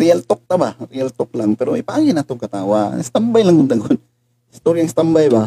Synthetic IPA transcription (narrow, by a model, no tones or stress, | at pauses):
ɾɪalt̪ok̚t̪abaɾɪalt̪ok̚laŋpɛɾoipaʔaːɡɪnat̪oŋkat̪aːwast̪ambajlaŋɡʊnt̪aɡon | ɪst̪oɾjaŋst̪ambajba